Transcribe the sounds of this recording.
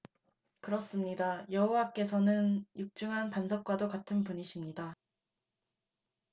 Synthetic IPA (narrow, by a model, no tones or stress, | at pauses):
kɯɾʌs͈ɯmɲidajʌɦowak͈e̞sʰʌnɯnjuk̚t͡ɕ͈ɯŋɦanpansʰʌp̚k͈wadokatʰɯnpuɲiɕʰimɲida